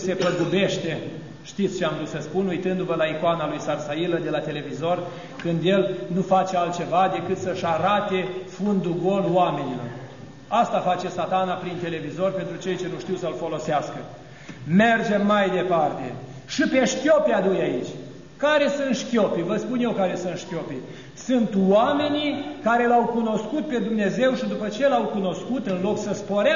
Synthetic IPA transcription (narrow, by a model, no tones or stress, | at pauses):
se̞pəɡube̞ʃt̪e̞ | ʃt̪it̪sʲt͡ʃeamd̪usəspunujt̪ɨnd̪uvəlaikoanalujsarsailəd̪e̞lat̪e̞le̞vizo̞r | kɨnd̪je̞lnufat͡ʃe̞alt̪̚t͡ʃe̞vad̪e̞kɨt̪səʃaɾat̪e̞fund̪uɡo̞lwame̞nilo̞r | ast̪afat͡ʃe̞sat̪anapɾint̪e̞le̞vizo̞rʲpe̞nt̪ɾut͡ʃe̞jt͡ʃe̞nuʃt̪iwsəlfo̞lo̞seaskə | me̞rd͡ʒe̞mːajd̪e̞part̪e̞̰ | ʃipe̞ʃkʲo̞pead̪ujait͡ʃʲ | kaɾe̞sɨnt̪ʃkʲo̞pevəspunjewkaɾe̞sɨnt̪ʃkʲo̞pe | sunt̪wame̞nikaɾe̞lawkuno̞skut̪̚pe̞d̪umne̞ze̞wʃid̪upət͡ʃe̞lawkuno̞skut̪ɨnlo̞ksəspo̞ɾa